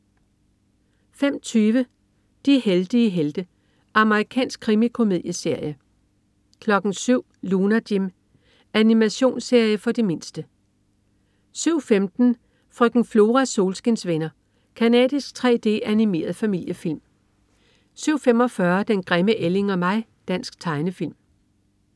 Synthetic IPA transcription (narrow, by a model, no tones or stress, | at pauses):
fem̰t͡sʰyːʋə | d̥iheld̥iəɦeld̥ə | ʔɑ̈məʁikʰɛ̰ːnsɡ̥̚kʰʁimikʰo̝miðˠjəse̝ɐ̰jə | kʰlɒ̽ɡ̥n̩syʊ̰lunæd̥im | ænimæɕo̝̰ːnse̝ɐ̰jəfɒ̽d̥e̝me̝nsd̥ə | syʊ̰femd̥n̩ | fʁœɡ̥n̩flo̝ːʁɑso̝ːlsɡ̥ensʋenɐ | kʰænɛ̰ːðˠisɡ̥̚t͡sʰʁɛ̰ːd̥e̝̰ːænime̝̰ːɐð̞̩ˠfæmil̰jəfil̰m | syʊ̰fem̰ɒ̽fɶɐd̥enɡ̥ʁɛməʔele̝ŋɒ̽mɑ̈ɪd̥æn̰sɡ̥̚t͡sʰɑ̈ɪnəfil̰m